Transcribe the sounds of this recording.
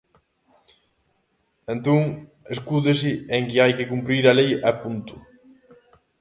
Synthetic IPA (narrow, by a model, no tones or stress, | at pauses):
ent̪oŋ | eskuðes̬ɪeŋkɪajkɪkumpɾiɾalejapunt̪ʊ̥